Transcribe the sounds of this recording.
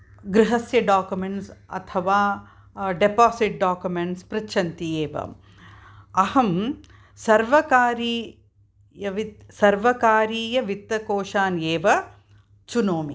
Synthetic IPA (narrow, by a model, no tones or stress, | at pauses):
ɡɾɪɦɐsjɐɖaːkjumeɳʈsɐ̰t̪ʰɐʋaː | ɖepaːsiʈ̚ɖaːkjumeɳʈspɾɐt͡ʃʰɐnt̪ieːʋɐ̰ | ɐhɐm | sɐɾʋɐkaːɾiː | jɐʋisɐɾʋɐkaːɾiːjɐʋit̪ːɐkoːʃaːnjeːʋɐ | t͡ʃunoːmi